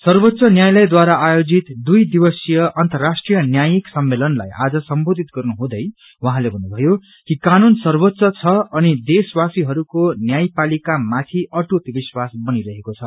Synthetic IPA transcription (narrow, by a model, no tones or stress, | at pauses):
sʌrbot̪sʌnjajlʌjd̪waɾaajod͡zit̪d̪ujd̪ibʌsjʌʔʌnt̪ʌrasʈrijʌnjajiksʌmːelʌnla̰jʔa̰d͡zʌsʌmbod̪ʱit̪ɡʌrnuɦũd̪ʌj | wʌɦãlebʱʌnːubʱʌjo | kikanunsʌrbot̪ːsʌt͡sʰʌʌnid̪eswasiɦʌɾukonjajpalikamat̪ʰiʌʈut̪biswasbʌniɾʌɦekot͡sʰʌ